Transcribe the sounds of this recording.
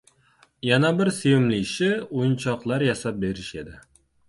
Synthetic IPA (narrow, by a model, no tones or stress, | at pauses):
janabɪɾseɪmlɪʃɪʊjɪnt͡ʃʰɒqlˠaɾjasap̚be̞ɾɪʃed̪ɪ